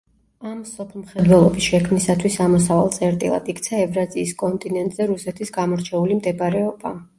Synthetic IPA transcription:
amsɔpʰlˠmχɛd̪wɛlˠɔbisʃɛkʰmnisat̪ʰwisamɔsavalˠt̪sʼɛɾt̪ʼḭlˠa̰d̪̥ikʰt̪sʰaɛvɾaziːskʼɔnt̪ʼinɛnt̪ʼz̥ɛɾusɛt̪ʰisɡamɔɾt͡ʃʰɛulimd̪ɛbɾɛɔba

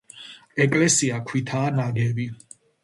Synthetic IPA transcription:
ɛkʼlɛsiakʰwit̪ʰaːnaɡɛvi

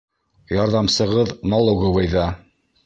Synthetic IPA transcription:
jɑɾðɑmsɤ̆ʁɤðnolˠoɡɤwɤjðɑ

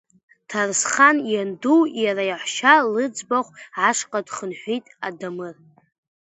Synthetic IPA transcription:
tʰarsχanjanduwjaɾajaħʷʃalɨd͡zbaχʷʕaʂqʼadχənħʷijtʼadamɨr

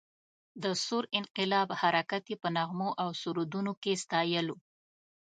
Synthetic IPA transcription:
d̪əsoɾɪnqɪlɑbhaɾakat̪jepənaɣmoʔawsuɾud̪unokest̪ɑjəlo

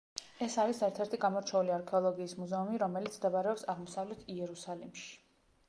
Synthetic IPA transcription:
ɛsaɾisɛɾt̪ʰɛɾt̪ʰiɡamɔɾt͡ʃʰɛuliaɾkʰɛɔlˠɔɡiːsmuzɛumiɾɔmɛlit̪sʰmd̪ɛbaɾɛɔpsaʁmɔsavlɛt̪ʰiɛɾusalimʃi̥

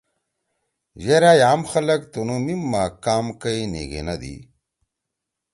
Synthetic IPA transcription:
ʑeɾajaːmxɐlɐkt̪onumimːaːkaːmkɐinḛɡḛnɐd̪ḭ

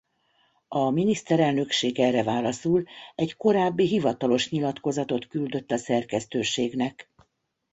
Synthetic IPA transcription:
ɒminist̪ɛɾɛlnø̞kʃeːɡɛrːɛvaːlɒsulɛɟko̞ɾaːbːiɦivɒt̪ɒlo̞ʃɲilɒt̪ko̞zɒt̪o̞t̪kyld̪ø̞t̪ːɒsɛrkɛst̪øːʃeːɡnɛk

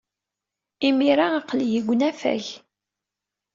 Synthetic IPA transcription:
imiɾaaqljəɡʷːnæfæ̰ç

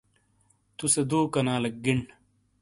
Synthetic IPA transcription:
t̪used̪uːkɐnaːlɐk̚ɡiɳɖ

